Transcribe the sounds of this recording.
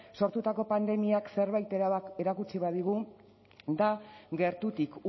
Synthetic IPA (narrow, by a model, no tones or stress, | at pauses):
so̞ɾt̪ut̪ako̞pand̪e̞miakse̞ɾβajt̪eeɾakut͡siβaðiɣ̞u | d̪aɡe̞ɾt̪ut̪ik